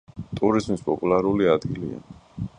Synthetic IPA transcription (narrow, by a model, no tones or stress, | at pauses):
t̪ʼuɾizmispʼɔpʼulˠaɾuliad̪ɡilḭa̰